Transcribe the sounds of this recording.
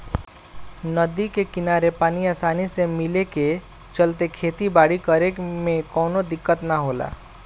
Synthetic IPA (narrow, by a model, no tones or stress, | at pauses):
nəd̪ikekɪnaːɾepaːniaːsaːnisemɪleke | t͡ʃəlt̪ekʰeːt̪ibaːɽikəɾekmẽkɔːnod̪ɪkːət̪naɦoːla̰ː